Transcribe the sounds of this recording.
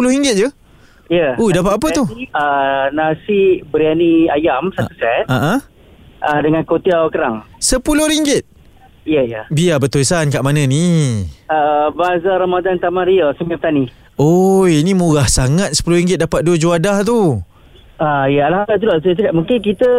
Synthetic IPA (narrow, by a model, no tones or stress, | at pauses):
pulʊɾiŋɡɪt̪̚d͡ʒu | jəudapat̪ap̬ət̪uənasibəɾianiajamsausɛt̪aʔã | ʔədəŋãnkot̪iawkəɾaŋsəpulʊhɾiŋɡɪt̪̚ | ijəjəbiabət̪olsankaʔmanə̃ni | əbazaɾamadant̪amãɾiəsəmiap̚ət̪ani | ojinimuɣahsaŋat̪̚sə̥pulʊhɾiŋɡɪt̪̚dapat̪̚duəd͡ʒuadaht̪u | ajəalahabat̪̬ulat̪uat̪əkaʔmuŋkɪnkit̪ə